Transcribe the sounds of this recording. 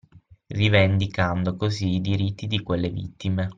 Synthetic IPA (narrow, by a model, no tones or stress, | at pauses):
rivend̪ikand̪okoziːd̪iɾit̪ːid̪ikwelːevḭt̪ːime